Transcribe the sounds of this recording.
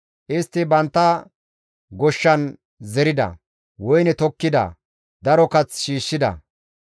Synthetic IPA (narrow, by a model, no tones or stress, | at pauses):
ʔɪst̪ːɪbɐnt̪ːɐ | ɡɔʃːɐn | zɛɾɪd̪ɐ̰ | wɔjnɛt̪ɔkːɪd̪ɐ̰ | d̪ɐɾɔkɐt͡sʃiːʃːɪd̪ɐ̰